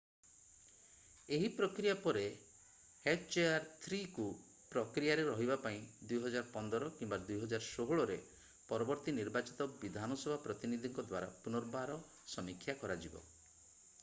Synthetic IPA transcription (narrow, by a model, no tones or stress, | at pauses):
eɦipɾɔkɾijapɔɾe | heʈt͡ʃeaɾt̪ʰɾiku | pɾɔkɾijaɾeɾɔɦibapaĩd̪ujɦɔd͡ʒaɾɔpɔnd̪ɔɾɔkimbad̪ujɦɔd͡ʒaɾɔsoɦuɭɔɾe | pɔɾɔbɔɾt̪iniɾbat͡ʃit̪ɔbid̪ʱanɔsebʱapɾɔt̪inid̪ʱiŋkɔd̪waɾa̰punɔɾbaɾɔ | sɔmikʰːjakɔɾad͡ʒibɔ̰